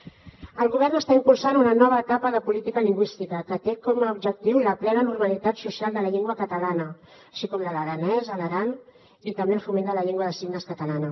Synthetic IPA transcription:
əlˠɣuβɛrnəst̪aimpulˠsanunənɔβəːt̪apəðəpulit̪ikəliŋɡwist̪ikəkət̪ekɔməub̚d͡ʒək̚t̪iwləplɛnənurməlit̪at̪susialˠd̪ələʎeŋɡwəkət̪əlanəː | ʃikɔmlələɾənɛzələɾan | it̪əmbeəlfumend̪ələʎeŋɡwəðəsiɡnəskət̪əlanə

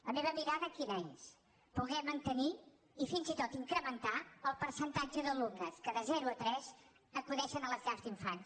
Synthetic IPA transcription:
ləmeβəmiɾaðəkiβɛɲs | puɣɛmənt̪əni | ifinzit̪ot̪iŋkɾəmənt̪aəlˠpəɾsənt̪ad͡ʒəðəlukəskəðəzɛɾuət̪ɾɛz | əkuðɛʃənələzʎazt̪iɱfan

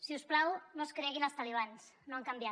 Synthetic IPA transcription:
siusplawnoskɾɛɣinalˠst̪aliβ̞ansnoaŋkambja

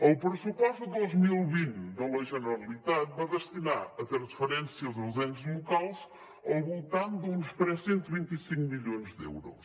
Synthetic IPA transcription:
ɐwpɾɨsupɔʃt̪uðojzmilˠβĩnt̪d̪ɐlɐjʒɨnɾɐlˠit̪aðvaðɨʃt̪inaɾɐt̪ɾɐ̃sfɨɾẽnsjɐzɐzẽnʒlˠukalˠʃ | ɐwβulˠt̪ãw̃d̪ũnʃpɾɛssẽnt̪βĩnt̪isĩŋkumiʎõzðḛwɾṵʃ

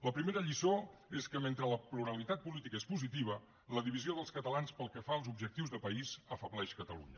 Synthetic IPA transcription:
ləpɾimeɾəʎisoeskəment̪ɾələpluɾəlit̪at̪̚pulit̪ikəespuzit̪iβ̞ə | ləðiβizioðəlˠskət̪əlanspəlˠkəfaəlˠzubʒək̚t̪iwzðəpəizəfəβlɛʃkət̪əlṵɲə

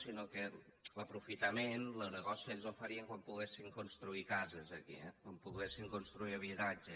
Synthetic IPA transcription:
sinokeləpɾufit̪əmenlənəɣɔsieʎʲzofəɾiəŋkwampuɣesiŋkunst̪ɾuikazəzəkḭɛwampuɣesiŋkunst̪ɾuiəβ̞it̪ad͡ʒə

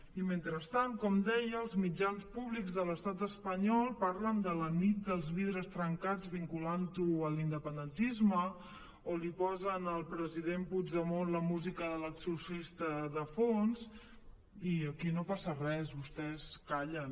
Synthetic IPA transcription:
iment̪ɾəst̪aŋkɔmd̪ɛjəːlˠzmid͡ʒanspuβlikzðələst̪at̪əspəɲɔlˠpaɾlənd̪ələnit̪̚d̪əlˠzβiðɾəst̪ɾəŋkad͡zβiŋkulant̪uəlind̪əpənd̪ənt̪izmə | olipɔzənəlˠpɾəziðempuzəmonləmuzikəələksusist̪əðəfons | iəkinopasərɛsβust̪ɛskaʎən

